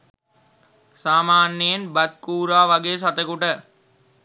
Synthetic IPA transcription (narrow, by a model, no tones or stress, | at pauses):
saːmaːnːejenbɐt̪̚kuːɾaːʋɐɡeːs̬at̪əkuʈə